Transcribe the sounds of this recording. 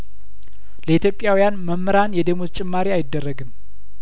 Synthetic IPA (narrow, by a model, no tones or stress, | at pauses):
ləit̪ʰjo̞pʼːjawijanməmːəɾanjɛd̪əmot̪t͡ʃʼɪmːaɾiajɪd̪ːərːəɡɨm